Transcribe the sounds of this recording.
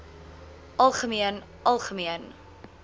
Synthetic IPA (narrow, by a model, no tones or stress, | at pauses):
ʔɐlˠχəmiən | ʔɐlˠχəmiən